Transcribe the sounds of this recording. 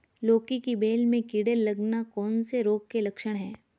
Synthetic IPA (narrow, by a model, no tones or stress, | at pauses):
loːkikibeːlmẽkiɽelːɐɡnakɔːnseɾoːɡ̚kelɐkʃəɽ̃ɦɛː